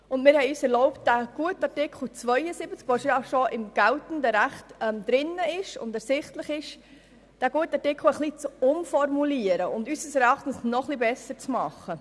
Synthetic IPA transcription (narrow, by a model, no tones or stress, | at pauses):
ʊndmɪːɾhɛjyːsɛɾlɔʊptd̥æɡ̥uətɑtɪkʰl̩ˠt͡svœjəsibət͡skʋɔʃjɑʃɔʔɪmɡ̥æltən̩dəɾæχtɛmd̥ɾɪnːəɪʃʊ̰ndɛɾsɪχtləχɪʃ | d̥æːɡ̥uətɑtɪkχl̩əχlit͡sʊmfɔɾmuliəɾəʊndysəsɛɾɑχtən̩snɔχlibɛsəɾt͡smɑχːə